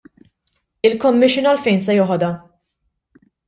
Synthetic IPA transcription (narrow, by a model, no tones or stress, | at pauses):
ɪlkɔmːɪʃːɪnɐlfɛjnsɛjɔːħɔd̪ɐ